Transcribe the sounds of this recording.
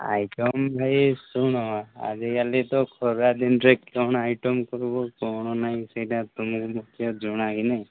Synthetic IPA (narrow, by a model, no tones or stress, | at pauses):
a̰jʈɔmbʱajsuɽ̃ɔa̰d͡ʒeɡalet̪ɔkʰɔɾad̪inɾekːɔñajʈɔmkɔɾbɔkɔɳ̃ɔnaj̃sejʈãt̪umukmukʰjɔd͡ʒɔɽ̃aɡina